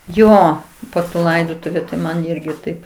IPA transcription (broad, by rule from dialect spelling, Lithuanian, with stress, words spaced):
ˈjoː poː tuː ˈlˠɐɪdoːtʊʋʲʊ tɐɪ ˈmɐn ˈɪrʲɡʲɪ ˈtɐɪp